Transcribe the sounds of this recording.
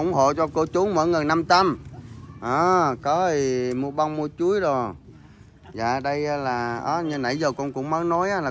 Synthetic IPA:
ə˧˩wŋ͡mho̰˧˨t͡ɕɔ˧ko˧t͡ɕu˨˦ŋmɔ̰ː˧˥˦jŋə˨˩na˧mt̪ə˧mʔaː˧˩kɔ˨˦ti˨˩mu˧əɓa˧wŋ͡mmu˧ət͡ɕu˨˦əjzo˨˩j | za̰ː˧˨ɗə˧jaː˨˦laː˨˩ʔə̰ː˨˦ɲə˧nə̰˧˩jzəː˨˩kɔ˧nkʊ̰˧˥ŋ͡mməː˨˦nɔ˨˦jʔaː˨˦laː˨˩

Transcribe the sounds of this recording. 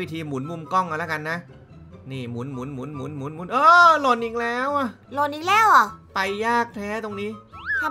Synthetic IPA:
wiː˦˥t̪ʰiː˧mu˨˩˦nmu˧mkɔ˥˩ŋka˧˩la˦˥˩ka˧nːa˦˥ | niː˧˥˩mu˩˦nmu˩˦nmu˨˩˦nmu˨˩˦nmu˩˦nmu˨˩˦nʔɤː˧lo˧˩nʔi˧ŋlɛː˦˥wʔa˧˩ | lo˧˩nʔiː˧˩ŋlɛː˥˩wʔa˨˩pa˧jːaː˥˩k̚t̪ʰɛː˦˥t̪o˧ŋniː˦˥t̪ʰa˧

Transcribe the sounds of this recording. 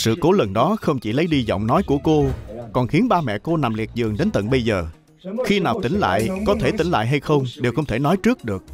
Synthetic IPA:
sɨ̰˧˨ko˨˦lə˨˩nɗɔ˨˦xə˧wŋ͡mt͡ɕi˧˩lə˨˦jɗi˧zɔ̰˧˨wŋ͡mnɔ˨˦jku˧˩əko˧kɔ˨˩nxi˨˦ənɓaː˧mɛ̰˧˨ko˧na˨˩mli˨˩ət̚zɨ˨˩əŋɗe˨˦nt̪ə̰˧˨nɓə˧jzəː˨˩ | xi˧naː˨˩wt̪ï˨˦ŋ̟la̰ː˧˨jʔkɔ˨˦t̪ʰe˧˩t̪ï˧˦ŋ̟la̰ː˧˨jɦa˧jxə˧wŋ͡mɗe˨˩wxə˧wŋ͡mt̪ʰe˧˩nɔ˨˦jt͡ɕɨ˦˥ək̚ɗɨ˨˩ək̚

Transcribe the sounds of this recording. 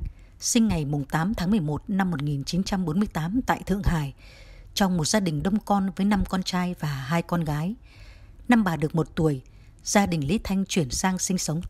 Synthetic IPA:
sï˧ŋ̟ŋa˨˩jmʊ˨˩ŋ͡mt̪aː˨˦mt̪ʰaː˨˦ŋmɨ˨˩əjmo˨˩t̚na˧mːo˨˩t̚ŋi˨˩nt͡ɕi˨˦nt͡ɕa˧mɓo˨˦nmɨ˧əjt̪aː˨˦mt̪a̰ː˧˨jt̪ʰɨ̰˧˨əŋɦaː˨˩j | t͡ɕɔ˧wŋ͡mmo˨˩t̚zaː˧ɗï˨˩ŋ̟ɗə˧wŋ͡mkɔ˧nvəː˨˦jna˧mkɔ˧nt͡ɕaː˧jvaː˨˩ɦaː˧jkɔ˧nɣaː˨˦j | na˧mɓaː˨˩ɗɨ˨˩ək̚mo˨˩t̚t̪u˧˩əj | z̥aː˧ɗï˨˩ŋ̟li˨˦t̪ʰa˧jŋ̟t͡ɕwi˧˩ənsaː˧ŋsï˧ŋ̟sə˨˦wŋ͡m

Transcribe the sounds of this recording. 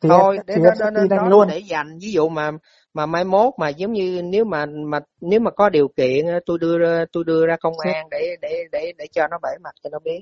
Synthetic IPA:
t̪i˨t̪ʰo˧jɗe˨˦˨ɗni˧ɗa˦˨˧ŋlu˧ənɗe˧˩˦za˨˩jŋ̟vi˨˦zṵ˧˨maː˨˩ | maː˨˩maː˧jmo˦˥t̚maː˨˩zə˨˦wŋ͡mɲɨ˧ne˨˦wmaː˨˩maː˨˩ | ne˨˦wmaː˨˩kɔ˨˦ɗi˨˩əwkḭ˧˨ənʔːt̪u˧jɗɨ˧əzːt̪u˧jɗɨ˧əzaː˧kə˧wŋ͡mʔaː˧ŋɗe˧˩ɗe˧˩ɗe˧˩ɗe˧˩t͡ɕɔ˧nɔ˨˦ɓə˧˩ma˨˩t̚t͡ɕɔ˧nɔ˨˦ɓi˨˦˥ət̚

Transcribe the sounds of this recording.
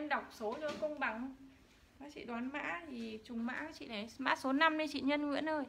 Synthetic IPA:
ə˧nɗa˨˩wk͡p̚so˨˦lo˧˦jkə˧ŋ͡mɓa˨˦ŋ | maː˨˥t͡ɕḭ˧˨ɗwaː˨˦nma̰ː˧˥t̪ʰi˨˩t͡ɕʊ˨˩ŋ͡mma̰ː˧˥˨t͡ɕḭ˧˨la˨˩jma̰ː˧˥so˨˦na˧mɗe˨˦t͡ɕḭ˧˨ɲə˧nŋɨ̰˧˥ənʔəː˧j

